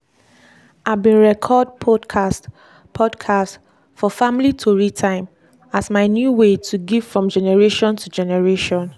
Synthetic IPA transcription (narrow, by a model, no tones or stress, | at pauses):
ʔabĩnɹɛkʰɔd̚pʰɔdkʰast | pʰɔdkʰast | fɔfamlitʰoɹitʰãɪ̃m | asmaɪnjuwetʰuɡiv̥fɹɔ̃md͡ʒɛnɛɹeʃɔ̃ntud͡ʒɛnɛɹeʃɔ̃n